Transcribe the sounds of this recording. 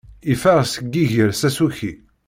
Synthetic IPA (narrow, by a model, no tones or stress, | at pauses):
ifæʁsəɡːiʝəɾsæsuçi